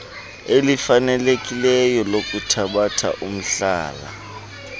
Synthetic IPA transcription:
elifanɛlekʼilɛjɔlokʼutʰaɓatʰa̰ʔum̩ɬaːla̰

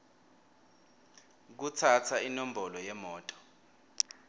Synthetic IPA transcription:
k̬ut͡sʰat͡sʰainom̩bɔlɔjɛmɔːtʼɔ̥

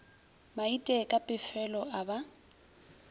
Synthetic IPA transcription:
maitʼɛkʼapʼɪfɛlɔaba

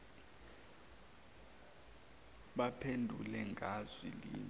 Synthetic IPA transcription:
ɓapʰendʱulɛŋɡʱaz̥wilḭːn

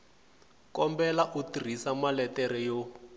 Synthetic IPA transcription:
kɔmbɛlaʔutir̤isamalɛtɛɾɛjɔ

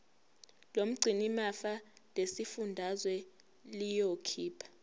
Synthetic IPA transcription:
lom̩ɡ͡ǀʱinimafalesifundʱazwɛ | lijokʰiːpʰḁ

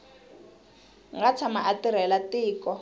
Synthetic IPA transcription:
ŋɡat͡sʰamaʔatiɾ̤ɛlatiːkɔ

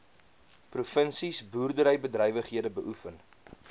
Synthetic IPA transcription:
prufənsisbuːrdəɾəjbədrɛjvəχɦiədəbəʔufən

